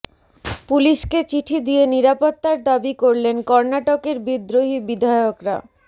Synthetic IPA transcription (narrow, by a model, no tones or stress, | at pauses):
puliʃket͡ɕiʈʰid̪ijeniɾapot̪ːaɾd̪abikoɾlenkɔɾnaʈokeɾbid̪ɾoɦibid̪ʱajokɾa̰